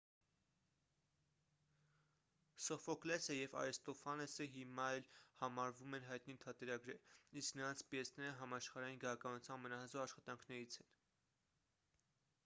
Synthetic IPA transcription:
sɔfɔklɛsəjɛvɑ̰ɾɛst̪ɔfɑnɛsəɦimɑɛlhɑmɑɾvumɛnɦɑjt̪nit̪ʰɑt̪ɛɾɑɡɾɛɾisknəɾɑnt͡sʰpiɛsnɛɾəɦɑmɑʃχɑɾɑjinɡəɑkɑnut͡sʰjɑnmənɑɦəzɔʁɑʃχɑt̪ɑŋkʰnɛɾit͡sʰɛn

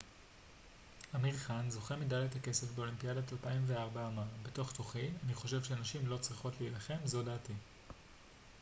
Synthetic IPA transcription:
amiʁχanzo̞χemidalethake̞se̞fbe̞o̞limpiadatalpaimveaʁbaːmaʁbeto̞χto̞χianiχo̞ʃevʃeanaʃimlo̞t͡sʁiχo̞tleilaχe̞mzo̞daːti

